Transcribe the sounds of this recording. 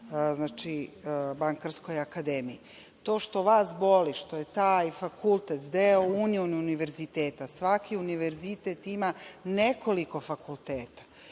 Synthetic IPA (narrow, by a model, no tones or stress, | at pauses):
znaːt͡ʃibaŋkaɾskojakad̪emii | t̪o̞ːʃt̪o̞ʋaːsbo̞liʃt̪o̞jet̪ajfakulˠt̪et̪d̪eouniuniuniʋe̞ɾzit̪eːt̪asʋakʰiuniʋeɾzit̪et̪imane̞kʰo̞liko̞fakulˠt̪eːt̪ḁ